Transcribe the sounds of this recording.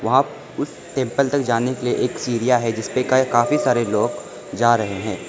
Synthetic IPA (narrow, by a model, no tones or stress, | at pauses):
ʋɐɦã | ʊs | ʈẽːmpəlt̪ɐk̚d͡ʒaːnekelieʔeːksiːɾijaɦɛd͡ʒɪspekkaːfisaːɾeloːɡ | d͡ʒaːɾɐɦeɦɛ̃ː